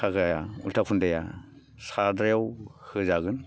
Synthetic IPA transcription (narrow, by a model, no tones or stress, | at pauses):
kʰaɡajaṵltʰak̚pʰundaja̰ | sadɾjawhɯzaɡɯn